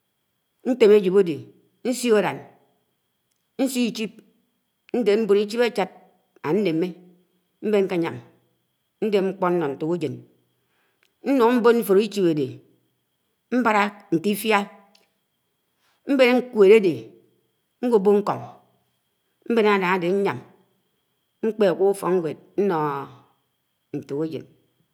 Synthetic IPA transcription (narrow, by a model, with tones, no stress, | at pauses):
n̩˦te˨me˦d͡ʒi˨bo˦de˨ | n̩˦si˦o˨ɾa˨n | n̩˦si˦i˦t͡ʃi˦p̚ | n̩˦de˨m̩˦bo˨ni˦t͡ʃi˦ba˦t͡ʃa˦t̚ | a˨n̩˦ne˨me˦ | m̩˦be˦ŋ̩˦ka˨ɲa̰˨m | n̩˦de˦ŋ͡m̩˦k͡pɔ˦n̩ː˦ɔ˨n̩˨tu˨ku˦d͡ʒe˨n | n̩˦nu˨ŋ˦m̩˦bo˦nm̩˦fo˨ɾi˦t͡ʃi˦be˨de˨ | m̩˦ba˦ɾa˦n̩˨ti˦fja˦ | m̩˦be˦ne˦ŋ̩˦kwe˨ɾe˦de˨ | ŋ̩˦ɡo˦bo˦ŋ̩˦ko˨ŋ˨ | m̩˦be˦na˨da˨ŋa˨de˨ɲ̩˦ɲa˨m | ŋ͡m̩˦k͡pe˨ku˦u˦fɔ˨ŋŋ˦we˨t̚n̩˦nɔ˨ | n̩˨tu˨ke˦d͡ʒḛ˨n